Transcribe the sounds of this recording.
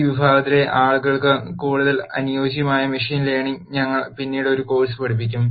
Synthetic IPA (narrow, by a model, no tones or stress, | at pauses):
ʋibʱaːɡɐt̪ːile̞ʔaːɭuɣɐɭkɨkuːɽuðɐlɐnujo̞ːɕ̬jɐmaːjɐmiʂiːnileːɳiɲɐŋːɐɭpinːiːɽo̞ɾuko̞ːrsɨpɐɽip̬ːikʲːum